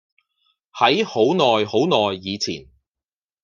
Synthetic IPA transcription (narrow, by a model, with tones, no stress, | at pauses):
hɐ˨˥jho˨˥wnɔː˨jho˨˥wnɔː˨jːiː˨˧t͡sʰiː˨˩n